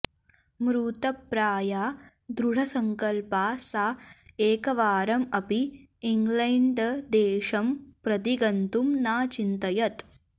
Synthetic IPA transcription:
mɾuːt̪ɐpɾaːjaː | d̪ɾuɽ̤ɐsɐŋkɐlpaːsaeːkɐʋaːɾɐmɐpiː | ŋɡlɐɳɖd̪eːʃɐmpɾɐt̪iɡɐnt̪umnaːt͡ʃint̪ɐjɐt̪

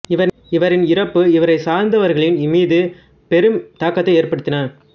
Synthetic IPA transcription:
ɪʋɐ | ɪʋɐɾɪnɪɾɐpːɯɪʋɐɾɐɪsaːɾnd̪ɐʋɐɾɣɐɭɪnɪmiːðɯ | pɛɾɯmt̪aːkːɐt̪ːɐɪeːrpɐɽɯt̪ːɪnɐɾ

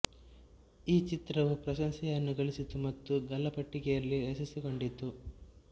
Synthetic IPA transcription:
iːt͡ʃit̪ɾɐʋupɾɐʃɐŋsɛjɐnːuɡɐɭisit̪umɐt̪ːuɡɐlɐpɐʈːikɛjɐlːiɾɐsɐsiko̞ɳɖit̪ːu

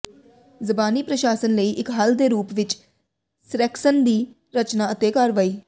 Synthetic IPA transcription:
zəbaːniːpɾəʃaːsənləiːʔɪkɦəld̪eːɾuːpʋɪt͡ʃ | sɾɛːksənd̪iː | ɾət͡ʃnaːət̪eːkaːɾʋaːiː

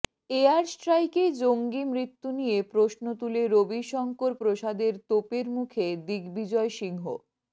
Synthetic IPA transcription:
eaɾsʈɾajked͡ʑoŋɡimɾit̪ːunijepɾosnot̪uleɾobiʃɔŋkoɾpɾoʃad̪eɾt̪opeɾmukʰed̪iɡbid͡ʑɔeʃiŋɦo̰

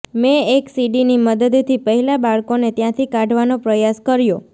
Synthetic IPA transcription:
mẽeksiɖiniməd̪əd̪t̪ʰipəɦɛlabaɭkonet̪jãt̪ʰikãɖʱʋanopɾəjaskəɾjo

